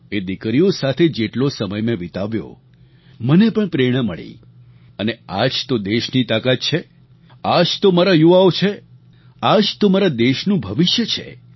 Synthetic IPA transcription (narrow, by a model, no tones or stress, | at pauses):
ed̪ikɾijosat̪ʰed͡ʒeʈlosəməjmẽʋit̪aʋjo̰ | mənepəɳpɾeɽ̃əməɭḭ | ənead͡ʒt̪od̪eʃnit̪akat̪̚t͡ʃʰe | ad͡ʒt̪omaɾajuʋaot͡ʃʰe | ad͡ʒt̪omaɾad̪eʃnũbʱəʋɪʃjət͡ʃʰḛ